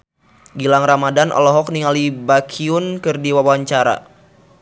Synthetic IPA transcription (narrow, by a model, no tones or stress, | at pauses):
ɡilaŋramadanɔ̰lɔɦɔk̚niŋalibakʰiʊnkɨrdiwawaɲt͡ʃaɾa̰